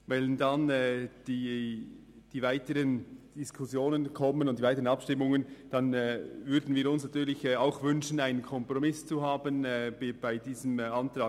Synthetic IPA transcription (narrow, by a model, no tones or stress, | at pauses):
vɛlndɑnɛd̥iː | d̥iːvaɪtəɾənd̥ɪskʰʊsjoːnənkʰɔmənʊntdivaɪtəʁənɑpʃtɪmʊŋənd̥ɑnːvʏɾdn̩viːɾʊnsnatyːɾlɪçɛaʊxvʏnʃənaɪnənkʰɔmpɾɔmɪst͡suɦaːbənːbb̥aɪdiːzəmɑntɾɑː